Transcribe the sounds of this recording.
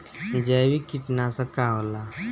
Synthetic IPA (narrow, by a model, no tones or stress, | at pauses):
d͡ʒɛbikiʈnasə̃kaɦola